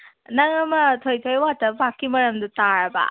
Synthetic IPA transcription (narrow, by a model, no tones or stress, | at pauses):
naŋɐmɐtʰojtʰojwatɐbakːimɐɾɐmdutaɾɐba̰